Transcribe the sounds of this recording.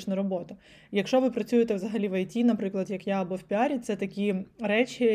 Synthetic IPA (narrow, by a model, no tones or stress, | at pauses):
t͡ʃnɐɾɔbɔt̪ɐ | jɐkʃt͡ʃɔʋɪpɾɐt͡sʲujet̪ɛʋzɐɦɐlʲiʋɐjtʲinɐpɾɪklˠɐd̪jɐkjaɐbɔwpʲiɑɾʲit̪sɛt̪ɐkʲiɾɛt͡ʃʲɪ